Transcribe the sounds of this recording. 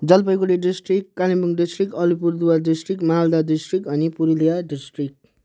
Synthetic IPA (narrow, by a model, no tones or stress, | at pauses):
d͡zʌlpʌjkuliɖisʈrikːalimbuŋɖisʈrikʌlipurd̪uwaɖisʈrikmaɦld̪adisʈrikʌnipuɾilijaɖisʈrik̚